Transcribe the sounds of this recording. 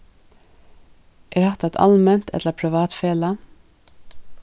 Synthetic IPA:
ʔeːɾhɑt̪ɛt̪ʰɑ̰lmɛnt̪ʰɛ̰t̪ləpʰɾɪʋɑːt̪feːlə

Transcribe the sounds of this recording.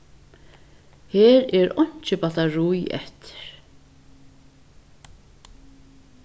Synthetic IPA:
hɛːɾɛɾɔɲ̥t͡ʃɪpat̪aɾujɛ̰ht̪ʰɪ̥ɾ̥

